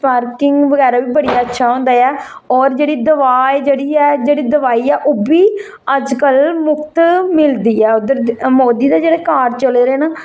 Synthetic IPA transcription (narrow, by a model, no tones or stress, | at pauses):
paːɾkɪŋɡʋəɡɛːɾaːʋiːbəɽijaːətːʃʰaːɦõːnd̪aːɛː | ɔːɾd͡ʒeːɽiːd̪əʋaːjd͡ʒeːɽiːɛːd͡ʒeːɽiːd̪əʋaːiːɛːʔoːbiː | əd͡ʒkəlmʊkt̪mɪld̪iːɛːod̪əɾmoːd̪iːd̪aːd͡ʒeːɽeːkaːɾt͡ʃəleːɾeːnaː